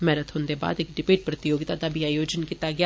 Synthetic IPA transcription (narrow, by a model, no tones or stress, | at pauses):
mɛːɾət̪ɦʊ̃nd̪eːba̰ːd̪ɪkɖɪpeːʈ̚pɾət̪ɪjoːɡɪt̪ad̪aːbʱiaːjoːd͡ʒənkiːt̪aɡɪa